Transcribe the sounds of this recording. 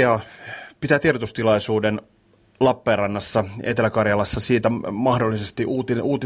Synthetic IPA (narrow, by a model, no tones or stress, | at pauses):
ɑpit̪æːt̪irdot̪ust̪ilɑisuːden | lɑpːeːrɑnːɑsːɑḛt̪elækɑrjɑlɑsːɑsiːt̪æmɑhdolːisest̪iʔuːt̪iʔuːt̪i